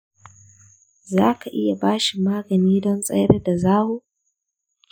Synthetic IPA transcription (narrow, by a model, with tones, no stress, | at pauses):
zaː˦kʰa˨ʔɪ˦ja˨baː˦ʃi˨maː˦ɡɐ˨niː˦dɔ˦nsʼɐ̰˦jɽa˦da˨zaː˦wuː˦